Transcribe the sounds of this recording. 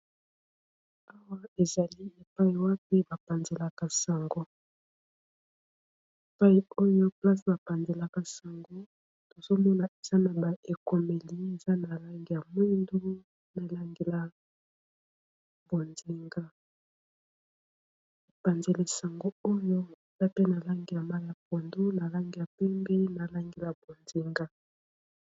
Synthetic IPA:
a˦wa˦e˨za˨li˦e˨pa˦i˨wa˦p̚i˦ba˨pa˨nze˨la˨ka˨sa˨ŋɡo˦ | e˨pa˦i˦o˦jo˦pla˦sba˨pa˨nze˨la˨ka˨sa˨ŋɡo˦ | to˨zo˦mɔ˦na˨e˨z̥a˦na˨ba˨ʔe˨ko˨me˨li˦e˨za˦na˨la˦ŋɡi˨ja˨mwe˦ndu˦ | na˨la˦ŋɡe˨la˦ | bo˨nzi˨ŋɡa˦ | a˨pa˨nze˨le˨sa˨ŋɡo˦o˦jo˦e˨z̥a˦pe˦na˨la˦ŋɡi˨ja˨ma˦lja˨p̚o˨ndu˦na˨la˦ŋɡi˨ja˨pɛ˦mbi˦na˨la˦ŋɡe˨la˨bo˨nzi˨ŋɡa˦

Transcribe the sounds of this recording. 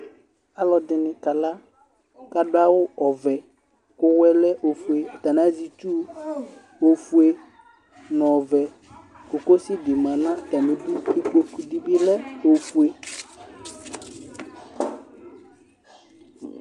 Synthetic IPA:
a˦lɔ˨dɪ˨nɪ̃˨ka˨la˦ | ka˨dʊ˦a˦wʊ˦ɔ˨vɛ˨ | kʊ˦wɛ˦lɛ˦ʔo˨fu˨e˨t̪a˨nã˦zi˨t͡ʃu˦ | o˨fu˦e˨ | nɔ̃˨vɛ˨ | kʊ˨ko˦sɪ˦ɡɪ˨mã˨nã˦t̪a˨mɪ̃˨du˦i˦ku˦o˦ku˦di˦bɪ˦lɛ˦o˨fu˦e˨

